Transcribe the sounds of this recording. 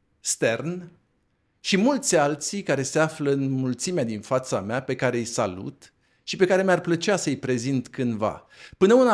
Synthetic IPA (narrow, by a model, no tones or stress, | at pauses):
st̪e̞rn | ʃimult̪sʲalt̪sikaɾe̞seafləɨnmult̪simead̪infat̪sameape̞kaɾe̞jsa̰lṵt̪ | ʃipe̞kaɾe̞marplət͡ʃeasəɨjpɾe̞zint̪kɨnd̪va̰ | pɨnəuna